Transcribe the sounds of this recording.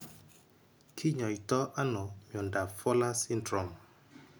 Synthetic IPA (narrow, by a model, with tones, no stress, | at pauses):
kʰi˦ɲɔ˨i˨tɔ˦ʔa˦nɔ˨mjɔ˨nda˨fɔ˦la˦si˦ndɾɔ˨m